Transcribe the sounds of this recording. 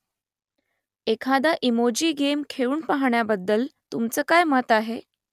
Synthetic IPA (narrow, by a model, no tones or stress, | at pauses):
ekʰad̪aʔimod͡ʑiːɡemkʰeɭuːnpaɦɳjabəd̪ːəlt̪umt͡səːkajmət̪aɦe